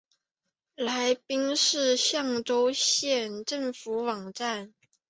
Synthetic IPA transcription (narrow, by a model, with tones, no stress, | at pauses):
la˧˥ɪpi˥ŋʂɻ̩˥˧ɕjɑ˥˩ŋʈ͡ʂo˥ʊɕjɛ˥˧nʈ͡ʂə˥˩ŋfu˨˧˥wɑ˨˩ŋʈ͡ʂa˥˩n